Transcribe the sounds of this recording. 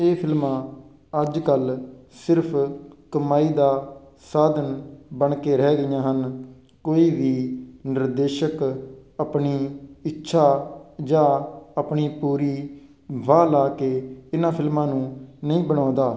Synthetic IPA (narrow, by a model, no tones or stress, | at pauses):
eːpʰɪlmãː | əd͡ʒkəlsɪɾpʰkəmaːiːd̪aː | saːd̪ənbəɳkeːɾɛːɡəijãːɦən | koːiːʋiːnɪɾd̪eːʃəkəpɳiːɪtːʃʰaːd͡ʒãːəpɳiːpuːɾiː | ʋaːlaːkeːɪnãːpʰɪlmãːnũːnəĩːbəɽ̃ãːd̪aː